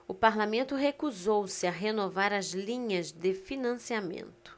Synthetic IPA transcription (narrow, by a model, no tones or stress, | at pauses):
ʊpaɾlamẽnt̪ʊɦekuzowsɪaɦenovaɾɐzlĩɲɐzd̪ɪfinɐ̃siamḛ̃nt̪ʊ̥